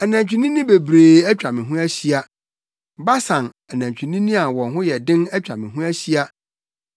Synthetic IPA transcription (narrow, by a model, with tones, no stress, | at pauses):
ɛ˨nã˨ɲt͡ɕᶣi˨nĩ˦nĩ˦be˨bɾeː˨æ˦t͡ɕᶣa˨mɪ̃˨ɦũ˦æ˦ɕi˦a˦ | ba˦sã˨n | ɛ˨nã˨ɲt͡ɕᶣi˨nĩ˦nĩ˦a˨wɔ̃˨nɦʊ̃˦jɛ˨dɪ̃˦nɛ˦t͡ɕᶣa̰˨mɪ̃˨ɦũ˦æ˦ɕi˦a˦